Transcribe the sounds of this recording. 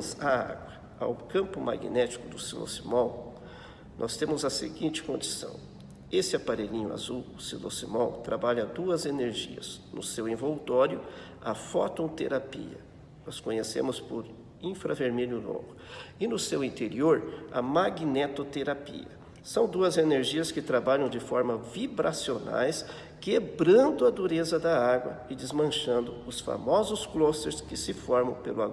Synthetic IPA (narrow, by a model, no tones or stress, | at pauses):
zɐa̰ɡwɐ | a̰wkɐ̃mpʊma̰ɡḭnɛt͡ʃi̥kʊd̪ʊsilo̰simɔw | nʔɔst̪ẽmʊzɐsḛɡĩt͡ʃɪ̥kõnd͡ʒisɐ̰̃w̃ | esɪapaɾeʎĩɲʊa̰zuwʊsilo̰simɔwt̪ɾʔabaʎɐd̪uɐzeneɾʒḭɐ̰znʊsewẽvowt̪ɔɾjʊ | ɐfɔt̪õt̪eɾapḭɐ̰ | nɔskõɲesḛ̃mʊspʊɾ | ĩfɾɐveɾmeʎjʊno̰ɡʊɪnʊsewĩnt̪eɾioɾɐ̰maɡnet̪ot̪eɾapḭɐ̰ | sɐ̃w̃d̪uɐzeneɾʒiɐskɪt̪ɾabaʎɐ̃w̃d͡ʒɪfɔɾmɐvibɾasiona̰js | kebɾɐ̃nd̪ʊɐd̪uɾezɐd̪ɐaɡwɐ̰ɪd͡ʒ̪ɪzmɐ̃ʃɐ̃nd̪ʊʊsfa̰mɔzʊsklost̪eɾskɪsɪfɔɾmɐ̰̃w̃pelʊaɡ